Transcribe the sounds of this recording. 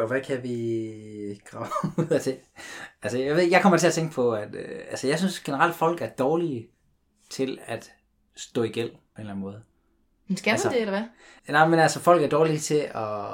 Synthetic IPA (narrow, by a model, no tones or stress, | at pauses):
ɒʋækʰæʋi | ɡ̥ʁɑ̈ʊuð̰ˠæt͡sʰe̝ælsəjaʋeðˠɡjaɪkʰɒ̽mɐ̥t͡sʰe̝ɐt͡sʰeŋɡ̥əpʰɒ̽æd̥ælsəjɑ̈ɪsynsɡ̥e̝nəʁal̰d̥fɒ̽l̰ɡ̥æɐd̥ɒːli | t͡sʰe̝læd̥ | sd̥ɔ̰̽ːiɡ̥el̰pʰɒ̽e̝nlæn̩mɔ̽ːð̞̩ˠ | mensɡ̥ælsədeelɐæ | nɑɪmenælsəfɒ̽l̰ɡ̥æɐd̥ɒːlit͡sʰe̝ɒ